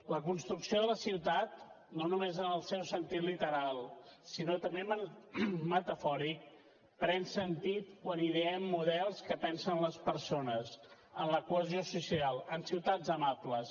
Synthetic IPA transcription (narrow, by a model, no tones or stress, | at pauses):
ləkunst̪ɾuksioðələsiwt̪at̪̚ | nonumezənəlˠsɛwsənt̪it̪lit̪əɾalˠsinot̪əmbeməmət̪əfɔɾik̚ | pɾɛnsənt̪it̪kwaniðeəmːuðɛlˠskəpɛnsənləspəɾsonəs | ənləkuəzijosusialˠənsiwt̪ad͡zəmabləs